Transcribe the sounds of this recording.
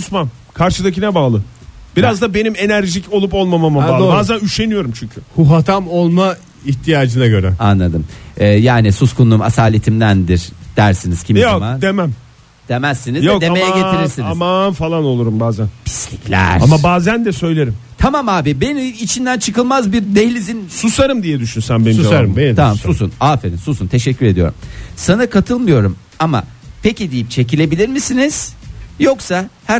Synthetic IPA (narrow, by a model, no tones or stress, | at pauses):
usman | kʰaɾʃɯd̪acinɛbaːlˠɯ | b̥iɾazd̪abe̞nime̞næɾʒico̞lˠupo̞lˠmamamaalˠbaːzænyʃe̞nijo̞ɾumt͡ʃʰyɲcʰyhuɦat̪ʰamo̞lˠma | içt̪ʰijaːd͡ʒɯnaɟø̞ɾɛanlːˠad̪ɯmɛːjaːnisuskunːˠuma̰saːlʲet̪ʰimd̪ænd̪iɾd̪̥æɾsiniz̥cʰimjjomad̪emæm | d̪̥emæsːinizjoɛkd̪emejɛɟeiɾiɾsiniazmanfalˠano̞lˠuɾumbaːzænpʰi̥slʲiclʲæ̰ɾamabaːzænd̪ɛsø̞jlʲe̞ɾimt̪ʰamamaːbibe̞niit͡ʃʰind̪ænt͡ʃʰɯkɯlˠmazbiɾd̪ehlʲizinsusaɾɯmd̪ijɛd̪yʃynsænbeniusaɾɯmeamasusunaːfed̪isusunt̪ʰe̞ʃɛcʰːyɾe̞d̪ijo̞̰ɾṵmsanakʰat̪ʰɯlˠmɯjo̞ɾum | ama̰ | pʰe̞cid̪ijip̚t͡ʃʰe̞c̬ilʲe̞bilʲiɾmisiniz̥jo̞ksahæ